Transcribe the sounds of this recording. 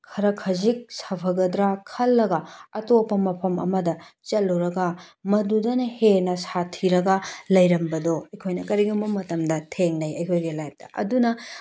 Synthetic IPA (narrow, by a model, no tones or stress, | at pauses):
kʰɐɾɐkʰɐzik̚sapʰɐɡɐdɾakʰɐlːɐɡɐɐtopːɐmɐpʰɐmɐ̰mɐdɐt͡ʃɐlːuɾɐɡɐmɐdudɐnɐhenɐsatʰiɾɐɡɐlɐjɾɐmbɐdɔɐjkʰojnɐkɐɾiɡɐmbɐmɐtɐmdɐtʰeŋnɐjɐjkʰojɡelajp̚dɐ̰ʔɐ̰dunɐ